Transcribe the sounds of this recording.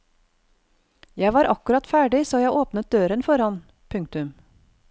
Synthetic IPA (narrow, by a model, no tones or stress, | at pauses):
jæɪʋɑːɾʔɑkʉɾɑt̪fæːɖɪsoːjæɪʔoːpnət̪̚d̪øːɾənfɔɾɑn | pʰʉŋk̚t̪ʉm